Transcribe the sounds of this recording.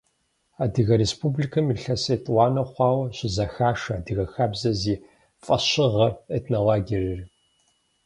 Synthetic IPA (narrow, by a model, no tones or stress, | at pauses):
aːdɨɣɐɾespʰublikʰɐmiɬɐsɐtʼwaːnɐχʷɑːwɐɕɪzɐxaːʂɐaːdɨɣɐxabzɐziː | fʼɐɕɪʁɐetʰnɐwaːɡʲirɨri